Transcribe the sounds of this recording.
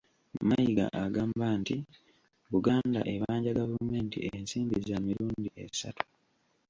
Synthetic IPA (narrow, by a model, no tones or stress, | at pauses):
majiɡa̰ʔaɡaːmbanti | βuɡaːnda̰ʔe̞βaːɲɟaɡavume̞ːntḭensiːmbizamiɾuːndiesa̰tu̥